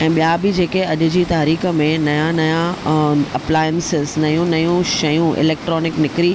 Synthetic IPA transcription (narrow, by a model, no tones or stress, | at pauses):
ɛ̃ːɓijabɪd͡ʑeːkeɐʄʊ̆d͡ʑiːt̪aːɾiːxə̆mẽnɐjãnɐjãɐplaːjənsɪznɐjũnɐjũʃɐjũʔɪ̰leːk̚ʈɾɔːnɪknɪkɾi